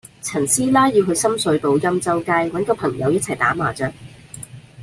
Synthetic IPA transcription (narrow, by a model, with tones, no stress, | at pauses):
t͡sʰɐ˨˩nsiː˥laː˥ji˧wɦɵ˧ɥsɐ˥msɵ˨˥t̪o˨˧wjɐ˥mt͡sɐ˥wkaː˥jwɐ˨˥nkɔː˧pʰɐ˨˩ŋjɐ˨˧wjɐ˥t̚t͡sʰɐ˨˩jt̪aː˨˥maː˨˩t͡sœː˧k̚